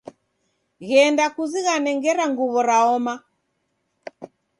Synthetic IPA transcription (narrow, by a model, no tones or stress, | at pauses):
ɣɛndakuziɣanɛŋɡɛɾaŋɡuβɔɾaɔma